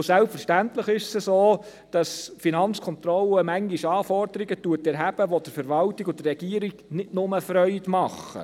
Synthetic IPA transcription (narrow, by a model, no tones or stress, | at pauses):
sælpfəɾʃtæntləχɪʃsəsoː | d̥ɑsfinɑnt͡skʰɔnt̪ɾɔləmæŋɡiʃɑːfɔɾd̥̪əɾiɡətuːətɛɾɦæb̥əʋɔd̥əɾfəɾʋɑltiɡʊdəːɛɡ̥iːəɾiɡnɪtnʊməfɾœʏdmɑχːə̰